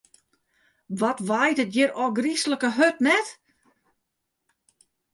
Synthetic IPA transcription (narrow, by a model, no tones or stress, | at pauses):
ʋɔtʋajtətjɪɾɔɡrisləkəɦøtnɛt